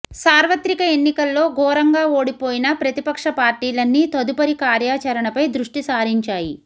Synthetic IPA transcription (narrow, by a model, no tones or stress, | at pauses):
saːɾʋɐt̪ɾikɐe̞nːikɐlːo̞ːɡɔːɾɐŋɡaːoːɽipoːjinɐpɾɐt̪ipɐkʂɐpaːɾʈiːlɐnːit̪ɐd̪upɐɾikaːɾjaːt͡ʃɐɾɐɳɐpɐjd̪ɾuʂʈisaːɾiɲt͡ʃaːji